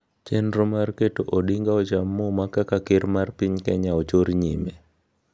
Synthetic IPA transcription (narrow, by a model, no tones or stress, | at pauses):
t͡ʃenɾomarketoʔoɗiŋɡaɔt͡ʃamːomakakakɪɾmarpiɲkɛɲaɔt͡ʃoɾɲɪmɛ